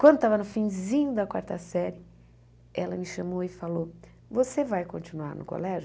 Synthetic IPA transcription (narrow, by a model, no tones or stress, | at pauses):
kwɐ̃nd̪ʊt̪avɐnʊfĩzĩɲʊd̪ɐkwa̰ɾt̪ɐsɛɾɪ | ɛlɐmɪʃɐ̃mowɪfalo | vosevajkõt͡ʃinua̰ɾnʊko̰lɛʒʊ